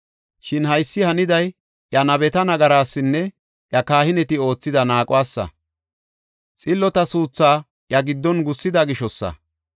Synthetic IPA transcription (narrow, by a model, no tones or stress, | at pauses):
ʃɪnɦɐjsːɪhɐnɪd̪ɐj | ʔjɐnɐbɛt̪ɐnɐɡɐɾaːsːɪnːɛ | ʔjɐkaːhɪnɛt̪ɪo̞ːt͡sːɪd̪ɐnaːkʼʊwaːsːɐ̰ | t͡sʼɪlːɔt̪ɐsuːt͡sːaː | ʔjɐɡɪd̪ːɔnɡʊsːɪd̪ɐɡɪʃɔsːɐ̰